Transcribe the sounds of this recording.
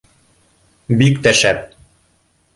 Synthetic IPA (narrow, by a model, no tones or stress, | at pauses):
bikt̪æʃæp̚